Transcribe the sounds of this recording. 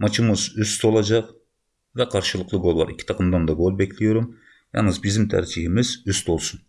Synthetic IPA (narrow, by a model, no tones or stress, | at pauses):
mɑt͡ʃɪməzʏst̪ʰolˠɑʒɑq | væqʰɑɾʃɨlˠəqlˠəɡo̞lˠbɑɾɪkʲːɪ̥t̪ʰɑqəmd̪ɑnd̪ɑɡolˠbekʲlʲejoɾɪm | jɑ̰nəzbɪzd̪ɪmt̪ʰæ̰ɾd͡ʒihɪmɪzʏst̪ʰolˠsʊn